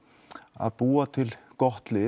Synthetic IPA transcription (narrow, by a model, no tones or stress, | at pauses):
a̰b̥uːat̪ʰɪlɡ̥ɔht̪lɪː